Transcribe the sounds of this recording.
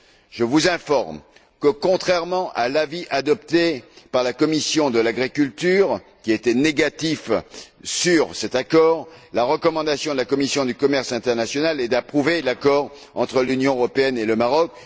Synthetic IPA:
ʒ̥əvuzɛ̃fɔʁm | kəkɔ̃t̪χɛʁmɑ̃ʔalaviʔad̪ɔpt̪epaʁlakɔmisjɔ̃d̪əlaɡʁikʲylt̪yʁ | kʲiet̪ɛneɡat̪if | syʁsɛt̪akɔʁlaʁəkɔmɑ̃d̪asjɔ̃d̪əlakɔmisjɔ̃d̪ykɔmɛʁsɛ̃t̪ɛʁnasjɔnalɛd̪apχuvelakɔʁ | ɑ̃t̪χəlynjɔ̃øʁɔpeɛneləmaʁɔk

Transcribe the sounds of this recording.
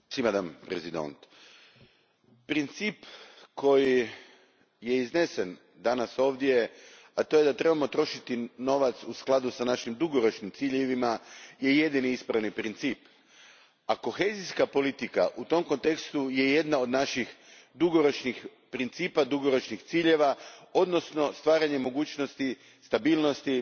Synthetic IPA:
simad̪ampɾezid̪o̰nt̪ | pɾint̪siːpko̞ji | je̞izne̞sen | d̪anaso̞ːʋd̪je̞ | at̪o̞je̞d̪at̪ɾe̞bamo̞t̪ɾo̞ʃit̪ino̞ʋat̪susklˠad̪usanaʃimd̪uɡo̞ɾo̞t͡ʃnimt̪siːʎeʋimaje̞je̞d̪iniispɾaʋnipɾint̪siːp | ako̞xe̞ziskapo̞lit̪ika̰ʔut̪o̞mko̞nt̪e̞kst̪uje̞je̞d̪nao̞d̪naʃixd̪uɡo̞ɾo̞t͡ʃnix | pɾint̪siːpad̪uɡo̞ɾo̞t͡ʃnixt̪siːʎe̞ʋao̞d̪no̞sno̞st̪ʋaːɾaɲe̞mo̞ɡuːt͡ɕno̞st̪i | st̪abiːlˠno̞st̪i

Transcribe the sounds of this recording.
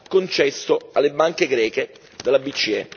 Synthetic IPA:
kːont͡ʃɛst̪oalːebaŋkeɡɾɛːke | d̪elːabit͡ʃːiɛ̰

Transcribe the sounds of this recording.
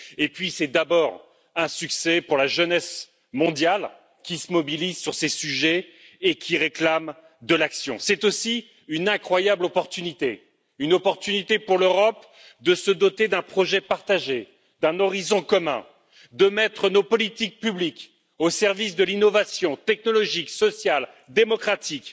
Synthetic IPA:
epɥisɛd̪abɔʁ | ɛ̃syksɛpuʁlaʒənɛs | mɔ̃d̪jal | kʲisəmɔbilizsyʁsesyʒɛ | ekʲiʁeklam | d̪əlaksjɔ̃sɛt̪osi | ynɛ̃kχwajablɔpɔʁt̪ynit̪e | ynɔpɔʁt̪ynit̪epuʁløʁɔp | d̪əsəd̪ɔt̪ed̪ɛ̃pχɔʒɛpaʁt̪aʒe | d̪ɛ̃nɔʁizɔ̃kɔmɛ̰̃ | d̪əmɛt̪χənopɔlit̪ik̚pyblik | osɛʁvisd̪əlinɔvasjɔ̃t̪ɛknɔlɔʒiksɔsjal | d̪emɔkχat̪ik

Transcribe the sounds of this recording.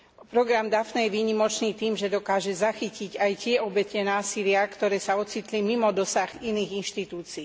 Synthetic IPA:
pɾɔɡɾamd̪afnɛjɛʋiːɲimɔt͡ʃniːt̪iːmʒɛd̪ɔkaːʒɛzaxiciɟajcɪɛɔbɛcɛnaːsilɪakt̪ɔɾɛːsaɔt͡sit̪limimɔd̪ɔsaɣiniːɣinʃt̪it̪uːt͡siː

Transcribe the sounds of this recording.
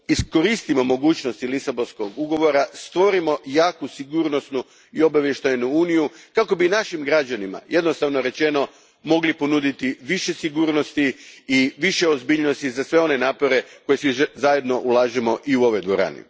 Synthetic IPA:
isko̞ɾist̪imo̞mo̞ɡuːt͡ɕnost̪ilisabonsko̞ɡuɡo̞ʋo̞ɾast̪ʋo̞ɾimo̞jaːkusiɡuːɾnost̪nu | io̞baʋjeʃt̪ajnuuːnijukako̞binaʃimɡɾad͡ʑanima̰je̞d̪no̞st̪aʋno̞ɾe̞t͡ʃe̞no̞ | mo̞ɡlipo̞nud̪it̪iʋiʃe̞siɡuːɾno̞st̪iiʋiʃeozbiːʎno̞st̪izasʋe̞o̞nenaːpo̞ɾe̞ko̞je̞sizaje̞d̪no̞ʔulˠaːʒemo̞ʔiuo̞ʋo̞jd̪ʋo̞ɾa̰ːnḭ

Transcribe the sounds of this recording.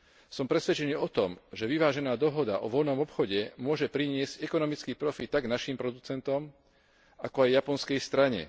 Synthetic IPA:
sɔmpɾɛsʋɛt͡ʃɛniːɔt̪ɔmʒɛʋiʋaːʒɛnaːd̪ɔɦɔd̪a̰ʔɔʋɔlnɔmɔpxɔɟɛmʊɔʒɛpɾiɲɪɛzcɛkɔnɔmit͡skiːpɾɔfit̪̚t̪aɡnaʃiːmpɾɔd̪ut͡sɛnt̪ɔm | akɔajjapɔnskɛjst̪ɾaɲɛ̰

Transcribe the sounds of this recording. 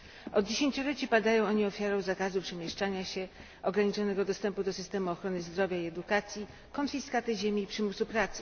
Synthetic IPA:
ɔd̪̚d͡ʑeɕeɲt͡ɕulɛt͡ɕipad̪ajɔ̃w̃ɔɲiɔfʲjaɾɔ̃w̃zakazupʂɛmʲjɛʂt͡ʂaɲaɕɛ | ɔɡɾaɲit͡ʂɔnɛɡɔd̪ɔst̪ɛmpud̪ɔsɘ̥st̪ɛmuɔxɾɔnɘzd̪ɾɔvʲjaiɛd̪ukat̪sʲji | kɔnfʲiskat̪ɛʑemʲiːpʂɘmusupɾat̪sɘ̥

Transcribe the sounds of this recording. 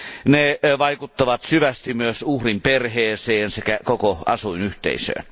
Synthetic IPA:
neʋɑˑikut̪ːɑʋɑt̪syʋæst̪imyøsuhrimperheːseːnsekækokoɑ̰suinyht̪ḛˑisø̰ːn

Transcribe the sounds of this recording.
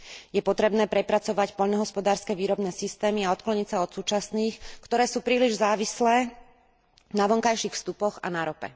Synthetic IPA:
jɛpɔt̪ɾɛbnɛːpɾɛpɾat͡sɔʋacpɔʎnɔɦɔspɔd̪aːɾskɛʋiːɾɔbnɛːsist̪ɛːmiaɔt̪klɔɲicsaɔt̪suːt͡ʃasniːxkt̪ɔɾɛːsuːpɾiːliʒzaːʋislɛː | naʋɔŋkajʃixfst̪upɔɣa̰naɾɔpɛ̰

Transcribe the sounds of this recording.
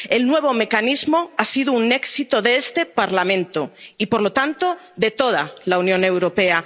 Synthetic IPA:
elnwe̞β̞o̞me̞kanizmoasiðoune̞ksit̪oðeest̪e̞paɾlamẽnt̪oipoɾlot̪ant̪o̞ | ðet̪o̞ð̞alaunjõne̞wɾo̞pea

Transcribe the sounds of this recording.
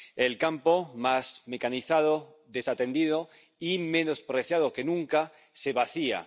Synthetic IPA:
elkampomazme̞kaniθað̞o | ðe̞sat̪e̞nd̪iðo | ime̞nospɾeθjaðoke̞nũŋka | se̞βaθia̰

